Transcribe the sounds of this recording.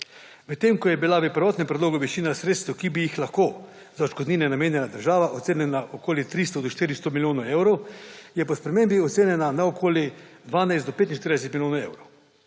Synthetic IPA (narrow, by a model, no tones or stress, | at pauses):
mɛt̪ːemkɔjɛbilaʋəpɾʋɔːt̪nɛmpɾɛd̪loːɡoʋɛt͡ʃiːnasɾeːt̪st̪wkibijixlaxko | zaot͡ʃkɔd̪niːnɛnameːnjɛlad̪əɾʒaːʋaʔɔt̪seːnɛnaʔokoːlit̪ɾist̪ɔd̪ɔʃt̪iːɾist̪omiljoːnoewɾowjɛpɔspɾɛmembiɔt̪seːnʲjɛnanaokʰoːljid̪ʋaːnajzɔpeːt̪̬in̩ʃt̪iɾd̪ɛs̬ɛt̪miljoːnaḛwɾow